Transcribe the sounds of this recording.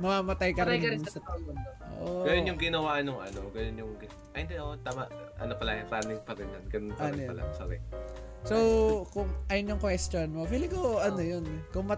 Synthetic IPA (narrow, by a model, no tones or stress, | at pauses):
mɐmaːmɐt̪ajkɐɾɪjnɐɾɪsɐt̪ajonʔo̰ʔɡɐjonjʊŋɡɪnɐwanoŋʔɐ̰noɡɐjonjʊŋɡɪ | ʔɐjnd̪ɛʔot̪aːmaʔʔɐ̰nopɐlaːjɪŋpaːnɪŋpɐɾɪnːɐnɡɐnonkɐnjpɐla̰sɐɾɛ | sowkʊŋʔɐjonjʊŋkwɛst̪jonmopilɪɡoʔɐnojonkʊŋmɐ